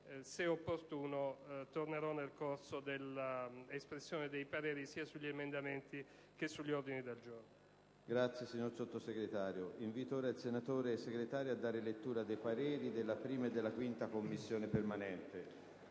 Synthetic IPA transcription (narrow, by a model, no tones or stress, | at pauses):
seopːort̪uːnot̪orneɾɔnːelkorsod̪elaespɾesːjoːned̪ejpaɾeːɾisiːasuʎːiemend̪amɛnt̪i | k̟esːuʎːiord̪inid̪eld͡ʒorno | ɡɾat̪sːjesiɲːoɾsot̪ːoseɡɾet̪aːɾjoʔiɱvit̪oːɾealsenat̪oːɾeseɡɾet̪aːɾjoad̪ːaːɾelet̪ːuːɾad̪ejpaɾɛːɾid̪elːapɾiːmaed̪ːelːakwint̪akomːisːjoːnepermanɛnt̪e